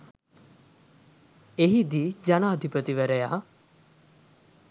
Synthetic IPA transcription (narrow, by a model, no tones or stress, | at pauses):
eɦid̪id͡ʒanaːd̪ʱipət̪iʋəɾəjaː